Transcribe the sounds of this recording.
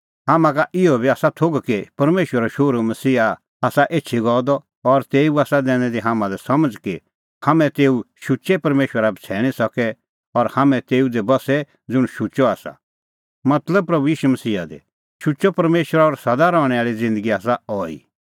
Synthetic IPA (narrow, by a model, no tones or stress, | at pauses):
ɦaːmãkaʔɪɔbʱiaːsat̪ʰoɡkepɐɾmeːʃwəɾaʃoːɾumɐsiːɦa | aːsaʔeːtːʃʰiɡɔːd̪ɔː | ɾt̪eːuaːsad̪ɛ̃ːɽ̃ɛd̪iɦãːmãlɛsɐməd͡zki | hamɛ̃t̪eːuʃʊt͡ʃɛpɐɾmeːʃwəɾabt͡sʰɛːɽ̃isɐkɛ | ɔɾhamɛ̃t̪eːud̪ɛbɐsɛ | d͡zʊɽ̃ʃʊt͡ʃɔaːsa̰ | mɐt̪ləb̚pɾɐbujiːʃumɐsiːa̰d̪ɛ̰ | ʃʊt͡ʃɔpɐɾmeːʃwəɾaɔɾsɐd̪aɾɔːɽ̃ɛaːɭid͡zɪ̃nd̪əɡiaːs̬aɔːḭː